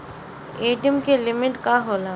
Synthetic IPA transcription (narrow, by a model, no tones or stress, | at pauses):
eːʈijəmkelɪmɪʈkaɦoːlaː